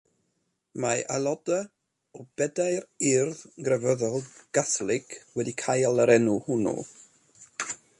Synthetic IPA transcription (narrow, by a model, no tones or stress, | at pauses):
maʔalˠɔda | ɔbɛdajrɪrðɡrəvəðɔlˠɡ̥aθlˠɪkʰwɛdikʰajalˠəɾɛnuhʊnṵ